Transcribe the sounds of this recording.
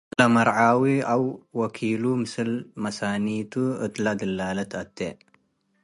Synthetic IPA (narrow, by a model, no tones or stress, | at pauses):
lɐmɐɾʕawiawːɐkʰilumɨsɨlmɐsanit̪ʰuɨt̪lad̪ɨlːalɐt̪ɐt̪ːe